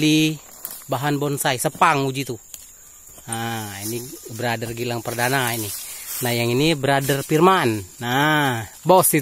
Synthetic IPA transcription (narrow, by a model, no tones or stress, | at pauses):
li | baɦanbɔnsaisəpaŋud͡ʒit̪u | ainibəɾadərɡilaŋpərdanaininahjaŋinibəɾadərpirmana | bɔsi